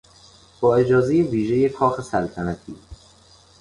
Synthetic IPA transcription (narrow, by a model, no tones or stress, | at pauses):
b̥ɒːe̞d͡ʒɒːze̞jeviːʒeje̞kʰɒːxesælt̪ʰænæt̪ʰiː